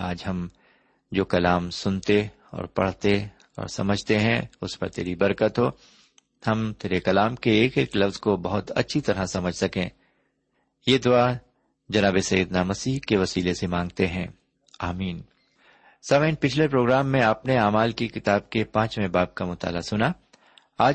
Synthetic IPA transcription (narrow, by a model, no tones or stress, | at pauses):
aːd͡ʒɦɐm | d͡ʒoːkɐlaːmsʊnt̪e | ɔ̰ːɾpɐ̰ɽ̤t̪e | ɔ̰ːɾsɐməd͡ʒʱt̪eɦɛ̃ʊspɐɾt̪ḛːɾibɐɾkət̪ɦoː | hɐmt̪eːɾekɐlaːmkeeːkeːklɐfzkobɐɦʊt̪ɐ̰tːʃʰit̪ɐɾasɐməd͡ʒʱsɐkẽː | jeːd̪ʊa | d͡ʒɐnaːbesɐjəd̪namɐsiːɦkeʋɐsiːlesemãːŋɡ̚t̪eɦɛ̃ː | aːmiːn | saːməɪnpɪt͡ʃʰlepɾoːɡɾaːmːẽaːpneaːmaːlkikɪt̪aːb̚kepãːt͡ʃmẽbaːb̚kamʊt̪a̰ːlasʊna | aː